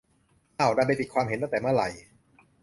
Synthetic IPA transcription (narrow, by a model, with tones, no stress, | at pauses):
ʔaː˧˩wda˧jp̬a˧jpi˨˩t̪̚kʰwaː˧mɦe˨˦nt̪a˥ŋt̪ɛː˨˩ma˥˩˨ɾa˨˩j